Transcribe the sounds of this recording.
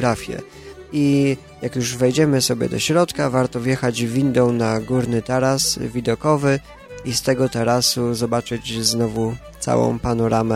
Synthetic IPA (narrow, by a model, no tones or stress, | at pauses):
ɾafʲjɛ̰ | i | jakjuʐvɛjd͡ʑɛmɘsɔbʲjɛ̰d̪ɔɕɾɔt̪kavaɾt̪ɔvjɛxad͡ʑvʲind̪ɔwnaɡuɾnɘt̪aɾasvʲid̪ɔkɔvɘ | ist̪ɛɡɔt̪ɛɾasuzɔbat͡ʂɘd͡ʑznɔvut̪sa̰wɔ̰̃w̃panɔɾamɛ